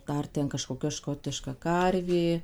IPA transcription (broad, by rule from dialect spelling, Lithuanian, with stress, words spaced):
ˈdɐr tʲɛn kɐʃkoːˈkʲɛ ˈʃkoːtʲɪʃkɐ ˈkɐrʲʋʲeː